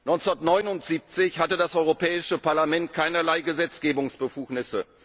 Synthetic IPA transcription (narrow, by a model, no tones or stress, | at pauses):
nɔʏnnɐtnɔʏnʊntz̥iːp̚t͡sɪçhatədasʔɔʏʁopʰɛːɪʃəpaɐlamɛntkʰaɪnɐlaɪɡəzɛt͡sɡ̥eːbʊŋsb̥əfuːknɪsə